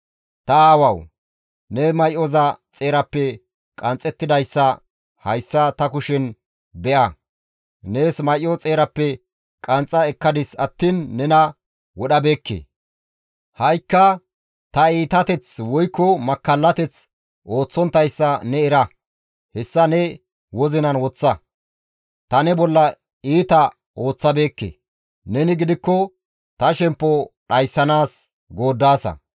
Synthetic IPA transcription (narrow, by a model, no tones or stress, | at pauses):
t̪ɐaːwɐw | nɛmɐjʔɔzɐt͡sʼe̞ːɾɐpːɛ | kʼɐnt͡sʼːɛt̪ːɪd̪ɐjsːɐ | hɐjsːɐt̪ɐkʊʃɪn | bɛʔɐ | neːsmɐjʔːɔt͡sʼe̞ːɾɐpːɛ | kʼɐnt͡sʼːɐɛkːɐd̪ɪsɐt̪ːiːnːɛnɐ | wɔɗɐbeːkːḛ | hɐjkːɐ | t̪ɐiːt̪ɐt̪ɛt͡swɔjkːɔmɐkːɐlːɐt̪ɛt͡s | ʔo̞ːt͡sːɔnt̪ɐjsːɐnɛɛɾɐ | hɛsːɐnɛ | wɔzɪnɐnwɔt͡sːɐ | t̪ɐnɛbɔlːɐ | iːt̪ɐ | oːt͡sːɐbe̞ːkːḛː | nɛnɪɡɪd̪ɪkːɔ | t̪ɐʃɛmpːɔɗɐjsːɐnaːs | ɡo̞ːd̪ːaːsɐ̰